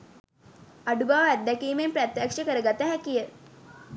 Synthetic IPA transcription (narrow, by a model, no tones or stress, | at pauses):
aɖubaʋæd̪dːækiːmempɾæt̪jakʂəkəɾəɡat̪əɦækijə